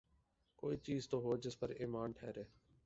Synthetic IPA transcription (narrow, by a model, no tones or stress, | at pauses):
koːiːt͡ʃiːzt̪oːɦoːd͡ʒɪspəɾiːmaːnʈʰɛːɾeː